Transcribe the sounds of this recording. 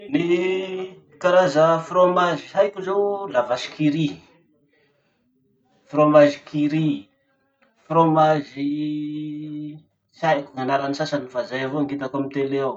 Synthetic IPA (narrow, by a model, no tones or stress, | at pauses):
ni | kaɾazəfromaziɦajkuzewlavasi̥kiɾi | fromazikʰiɾi | fromazi | sajkuŋanaɾanisasanifazajavoaŋɡit̪akamint̪eleaw